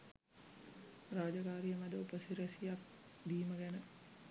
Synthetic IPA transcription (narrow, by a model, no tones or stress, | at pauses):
raːd͡ʒəkaːɾijəmad̪əupəsiɾəsijak̚d̪iːməɡænə